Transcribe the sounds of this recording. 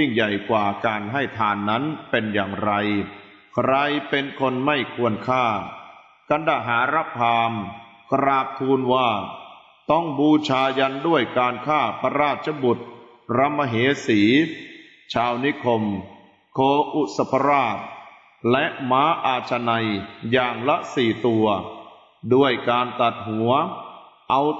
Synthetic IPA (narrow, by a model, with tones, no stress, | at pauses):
ji˥˩ŋja˨˩jkwaː˨˩kaː˧nɦa˥˩jt̪ʰaː˧nːa˦˥npe˧njaː˨˩ŋɾa˧j | kʰɾa˧jpe˧nkʰo˧nma˥˩jkʰu˧ənkʰaː˥˩ | ka˧nda˨˩ɦaː˩˦ɾa˦˥p̚pʰːaː˧mkɾaː˨˩k̚t̪ʰuː˧nwaː˥˩ | t̪ɔ˥˩ŋbuː˧t͡ɕʰaː˧ja˧ndu˥˩əjkaː˧nkʰaː˥˩pʰa˧ɾaː˥˩t̪̚t͡ɕʰa˧bu˨˩t̪̚ | ɾa˧mːa˧ɦeː˩˦siː˩˦ | t͡ɕʰaː˧wni˦˥kʰo˧m | kʰoː˧ʔu˨˩t̪̚sa˧pʰa˧ɾaː˥˩t̪̚ | lɛ˦˥ʔmaː˦˥ʔaː˧t͡ɕʰa˧na˧jjaː˨˩ŋla˦˥ʔsiː˨˩t̪u˧ɐ | du˥˩əjkaː˧nt̪a˨˩t̪̚ɦu˩˦ɐ | ʔa˧w